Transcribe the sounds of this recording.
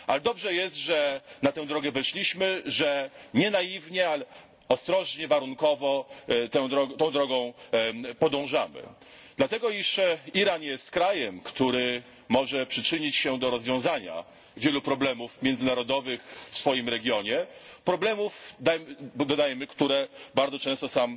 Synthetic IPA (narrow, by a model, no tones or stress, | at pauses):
ʔalɛd̪ɔbʐɛjɛst̪ʐɛnat̪ɛ̃w̃d̪ɾɔɡɛvɛʂlʲiɕmɘʐɛɲɛnajivɲɛal | ɔst̪ɾɔʐɲɛvaɾuŋkɔvɔt̪ɛd̪ɾɔɡt̪ɔ̃w̃d̪ɾɔɡɔ̃w̃pɔd̪ɔ̃w̃ʐamɘ̰ | d̪̥lat̪ɛɡɔiʂiɾanjɛst̪kɾajɛmkt̪uɾɘ | mɔʐɛpʂɘt͡ʂɘɲit͡ɕɕɛd̪ɔɾɔzvʲjɔ̃w̃zaɲa̰ | vʲjɛlupɾɔblɛmufmʲjɛnd̪zɘnaɾɔd̪ɔvɘxfsfɔjimɾɛɡʲjɔɲɛpɾɔblɛmufd̪ajmd̪ɔd̪ajɛmɘkt̪uɾɛbaɾd̪ɔt͡ʂɛ̃st̪ɔsam